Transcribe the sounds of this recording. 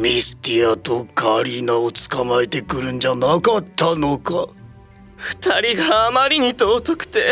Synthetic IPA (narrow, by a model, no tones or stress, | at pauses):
mʲisɨ̥t̪iat̪o̞kʰaɾʲinaot͡sɨ̥kamaet̪e̞kɯ̟ɾɯ̟̃ɲd͡ʑanakat̪ːano̞ka | ɸɯ̟̥t̪aɾʲiɡaːmaɾʲiɲ̟it̪oːt̪okɯ̟̥t̪e̞